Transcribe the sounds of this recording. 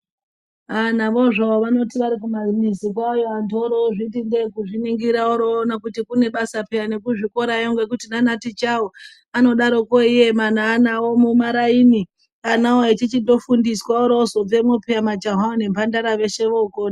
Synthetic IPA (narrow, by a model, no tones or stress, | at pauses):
anaʋo̞ʐaoʋano̞tiʋaɾikumamizikwajoantoɾoʐitindekuʐiniŋɡiɾaoɾoːnakutikune̞ɓasapejane̞kuʐiko̞ɾajoŋɡwe̞kutinanatit͡ʃawo | ano̞ɗaɾo̞koijemanaːnawomumaɾaini | anawoet͡ʃit͡ʃido̞fundiswaoɾozo̞b͡vemopeamad͡ʒaɦaone̞mpandaɾaʋe̞ʃe̞ʋoːkoːn